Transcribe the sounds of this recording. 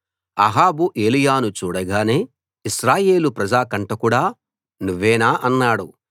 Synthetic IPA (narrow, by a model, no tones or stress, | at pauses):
ɐɦaːbuʔeːlijaːnut͡ʃuːɽɐɡaːne̞ː | iʃɾaːje̞ːlupɾɐd͡ʒaːkɐɳʈɐkuːɽaː | nuʋːɛːnaːʔɐnːaːɽu